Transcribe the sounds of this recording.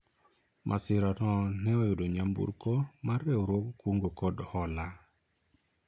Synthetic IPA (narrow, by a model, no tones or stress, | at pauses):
mʔasiɾanɔneojuɗoɲambṵɾkomaɾːewɾokkuŋɡokoɗhola